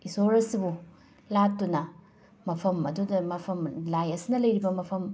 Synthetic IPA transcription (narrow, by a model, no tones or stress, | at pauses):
isoɾɐsibu | latːunɐ | mɐpʰɐmɐdudɐmɐpʰɐmlajɐsinɐlɐjɾibɐmɐpʰɐm